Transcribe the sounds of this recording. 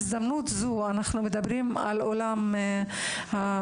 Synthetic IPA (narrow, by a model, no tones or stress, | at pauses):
zd̪amnut̪zuanaχnume̞d̪abʁima̰lolam | ha